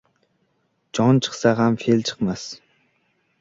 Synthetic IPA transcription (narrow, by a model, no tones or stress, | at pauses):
d͡ʒɔnt͡ʃʰə̥χsaʁamfelt͡ʃʰə̥qmas